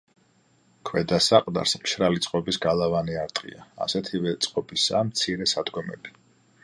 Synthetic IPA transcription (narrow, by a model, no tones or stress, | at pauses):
kʰwɛd̪asaqʼd̪a̰ɾsmʃɾalit̪sʼqʼɔbisɡalˠavaniaɾt̪ʼqʼḭa̰ːsɛt̪ʰivɛt̪sʼqʼɔbisamt̪sʰiɾɛsad̪ɡɔmɛ̰bi